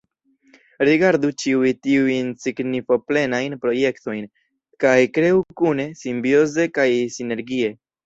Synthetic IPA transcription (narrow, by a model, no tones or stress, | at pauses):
ɾiɡaɾdut͡ʃiujtiujnsiɡnifo̞ple̞najnpɾo̞je̞kto̞jn | kajkɾe̞ukune̞simbjo̞ze̞kajsine̞ɾɡie̞